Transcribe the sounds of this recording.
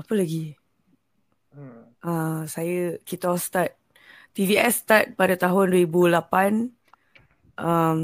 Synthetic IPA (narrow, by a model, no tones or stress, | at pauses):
apəlaɡi | ʔasajəkit̪ɔst̪at̪̚ː | iviɛst̪at̪̚padat̪aɦʊndwəɾibulapan | ʔam